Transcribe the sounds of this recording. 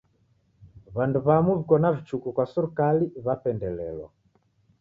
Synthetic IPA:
βanduβamuβikɔnavit͡ʃukukwasuɾukaliβapɛndɛlɛ̰lɔ̰

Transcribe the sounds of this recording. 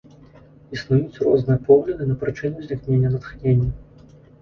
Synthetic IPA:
isnujut͡sʲrɔznɨjɐpɔɣlʲɐd̪ɨnɐpɾɨt͡ʂɨnʲuzʲlʲixnʲenʲːɐnɐt̪xnʲenʲːɐ

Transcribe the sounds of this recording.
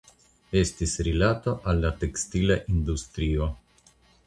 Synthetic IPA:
e̞stisɾilato̞ʔalːate̞kstilaʔindustɾio̞

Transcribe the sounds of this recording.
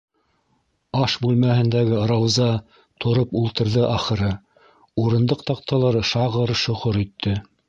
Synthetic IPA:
ɑʃbʉlmæhɘ̆nd̪æɡɘɾɑwzɑ | t̪ʰŏɾɤpulˠt̪ɤ̆ɾðɤʔɑχɤ̆ɾɤ | uɾɤ̆nd̪ɤq̚t̪ɑq̚t̪ʰɑlˠɑɾɤʃɑʁɤɾʃŏʁoɾit̪ʰːɘ

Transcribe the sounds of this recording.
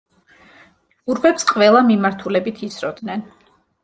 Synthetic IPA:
ɡuɾbɛpsqʼvɛlˠamimaɾt̪ʰulɛbit̪ʰit̪sʰɾɔd̪nɛn

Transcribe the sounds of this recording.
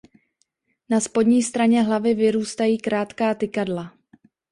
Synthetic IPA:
naspo̞dɲiːst̪ɾaɲɛɦlavɪvɪɾuːst̪ajiːkɾaːt̪kaːt̪ɪkadla

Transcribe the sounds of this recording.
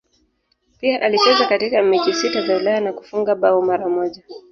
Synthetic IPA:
piaʔalit͡ʃɛzakatikamiʄisitazawilajanaku̥fuŋɡaɓaumaɾamɔʄa

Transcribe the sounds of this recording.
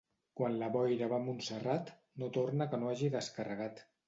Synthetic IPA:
kwanləβɔjðəβamunsərat̪ | not̪ornəkənoaʒiðəskərəɣ̞at̪

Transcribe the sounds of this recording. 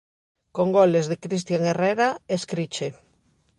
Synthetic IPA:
koŋɡolezðekɾis̬t̪jaŋereɾaeskɾit͡ʃe

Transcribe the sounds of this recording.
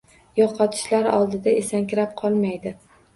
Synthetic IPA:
jɒqʰɒt̪ʰɪ̥ʃlaɾɒ̰lˠd̪ɪd̪aesaŋkʲʰɪɾap̚qʰɒlˠmajd̪ɪ

